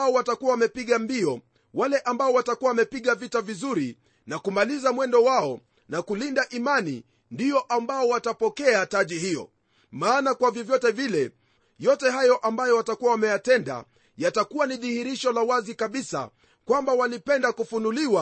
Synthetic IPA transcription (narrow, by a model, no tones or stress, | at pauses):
ɔwatakuwawamɛpiɠambiɔ | walɛʔambaɔwatakuwawamɛpiɠavitavizuɾi | nakumalizamwɛndɔwaɔ | nakulindaʔimanḭ | ndijɔʔambaɔwatapɔkɛataʄihijɔ̰ | maːnakwavjɔvjɔtɛvilɛ | jɔtɛɦajɔʔambajɔwatakuwawamɛjatɛnda̰ | jatakuwaniðihiɾiʃɔlawazikaɓisa̰ | kwambawalipɛndakufunuliwa